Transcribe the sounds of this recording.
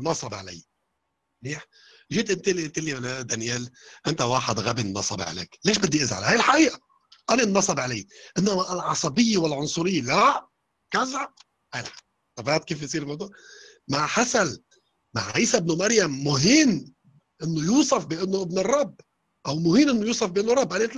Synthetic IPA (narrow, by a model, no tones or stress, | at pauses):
nːɑsˤɑbʕa̰la̰j | niːħ | ʒiːt̪ʔɪnt̪ɪlʔt̪ɪlːiwlad̪anjeːlʔɪnt̪awaːħɪd̪ɣabinːɑ̰sˤɑ̰bʕa̰lḛːkleːʃbɪd̪ːiʔɪzʕa̰lhaːjɪlħaʔiːʔa | ʔananːɑsˤɑbʕalajʔɪnːamalʕɑsˤɑbɪjːawɪlʕʊnsˤʊɾɪjːlaʔ | kazʕa | hajɪlħaʔiːʔ | t̪ˤɑbaːt̪̚kiːfjsˤiːɾlmawd̪uːʕ | maʕħasal | ma̰ʕʕiːsabnumaɾjamːʊɦiːn | ʔɪnːʊjuːsˤɑfbɪʔɪnːʊʔɪbnɨrˤːɑbː | ʔawmʊɦiːnʔɪnːojuːsˤɑfbɪʔɪnːʊrˤːɑbʔanet̪